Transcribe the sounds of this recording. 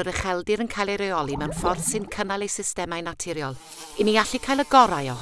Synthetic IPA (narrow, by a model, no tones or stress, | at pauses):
əɾəχɛlˠdɪɾənkʰajlˠeɾejɔlˠimɛwnfɔrθsɨnkʰənalˠejsɪstɛmajnatʰɪɾjɔlˠ | ɪniaɬikʰaːjlˠəɡɔɾajɔ